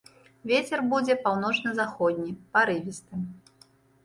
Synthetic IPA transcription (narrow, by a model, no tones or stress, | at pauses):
vʲet͡sʲɛrbud͡zʲɛpawnɔt͡ʂnɐzaxɔd̪ʲnʲipaɾɨvʲist̪ɨm